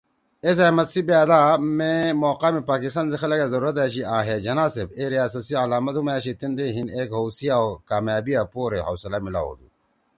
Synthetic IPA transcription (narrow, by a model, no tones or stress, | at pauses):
es̬ɐmɐt̪sibaːd̪amemoːqaːmepaːkist̪anzixɐlɐɡazɐɾuɾɐt̪aːɕiaːɦed͡ʑɐnaːsebeɾijaːs̬ɐsiɐlaːmɐt̪humaːɕit̪ind̪eɦineːkɦowsiaokaːmjaːbijapoːɾeɦɐwsɐlamila̰wo̰ːd̪ṵ